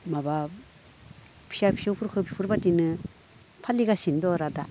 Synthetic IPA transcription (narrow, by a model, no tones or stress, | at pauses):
maba | pʰi̥ʃapʰi̥ʃɯwpʰuɾkʰɯpʰipʰuɾbatinɯ | pʰaliɡasindɔɾada